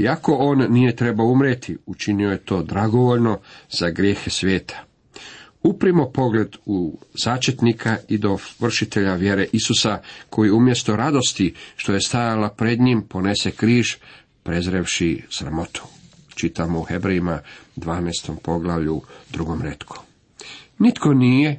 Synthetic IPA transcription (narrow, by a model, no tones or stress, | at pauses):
iako̞oːnːije̞t̪ɾe̞baoumɾet̪ʰiut͡ʃinio̞je̞t̪o̞ːd̪ɾaɡo̞ʋo̞ʎno̞z̥aɡɾjeːxe̞sʋje̞ːt̪ʰḁ | upɾimo̞po̞ɡle̞d̪uzaːt͡ʃet̪nikʰaid̪o̞ʋr̩ʃit̪e̞ʎaʋje̞ɾe̞ʔisusakʰo̞jiumje̞st̪o̞ɾad̪o̞st̪iʃt̪o̞je̞st̪ajalapɾe̞d̪ɲimpo̞ne̞se̞kɾiːʒ | pɾezɾeʋʃisɾa̰mo̞t̪ʰu̥t͡ʃit̪amouxe̞bɾeimad̪ʋaːnast̪o̞mpo̞ɡlˠaʋʎud̪ɾuɡo̞mɾe̞t̪kʰo̥ | nit̪ko̞nije̞